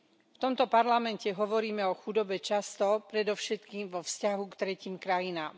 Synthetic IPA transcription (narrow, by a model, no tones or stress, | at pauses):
ft̪ɔmt̪ɔpaɾlamɛncɛɦɔʋɔɾiːmɛɔxud̪ɔbɛt͡ʃast̪ɔpɾɛd̪ɔʊʃɛt̪kiːmʋɔfscaɦukt̪ɾɛciːmkɾajinaːm